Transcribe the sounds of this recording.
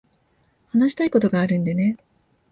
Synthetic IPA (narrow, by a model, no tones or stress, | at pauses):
hanaɕi̥t̪aiko̞t̪oɡaːɾɯ̟̃nd̪ene